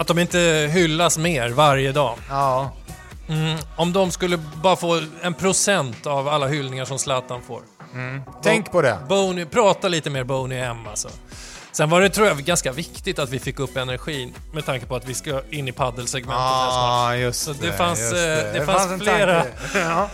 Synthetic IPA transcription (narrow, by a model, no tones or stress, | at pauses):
at̪̚d̪ɔmɪnt̪əɦʏlːasmeːɾvaɾjəd̪ɑː | m̩ɔmd̪ɔmskɵlːəbɑːɾafoːɛnpʰɾʊsɛnt̪avalːaɦʏlnɪŋaʂɔmslaːt̪anfo̰ːɾ | t̪ʰɛŋkpʰɔd̪ɛ̰boʊnɪpʰɾɑːt̪aliːt̪əmeːɾbɔʊnɪɛmːa̰lsɔ̰ | sɛnvaɖɛt̪ʰɾuːjaɡanskavɪkt̪ɪt̪at̪vɪfɪkːɵpːɛnæɾɧiːn | mɛt̪ʰaŋkəpɔat̪vɪskɪnːɪpʰad̪ːəlsɛɡmɛn | ssɔd̪ɛfansd̪ɛfanssfleːɾa